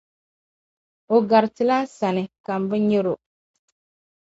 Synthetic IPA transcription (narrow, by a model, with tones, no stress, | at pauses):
o˨ɡa˨ɾtɪ˨la˦sa˨nɪ˨ka˨m̩˨bɨ˦ɲɛ˦ɾo˨